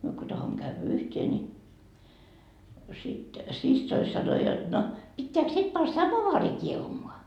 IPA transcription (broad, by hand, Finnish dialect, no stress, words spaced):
no myø ko tɑhomːo kæyʋæ yhteː ni sit sisːoi sɑno jot no pitːeæk sit pɑn sɑmoʋɑːri kiehumoɑ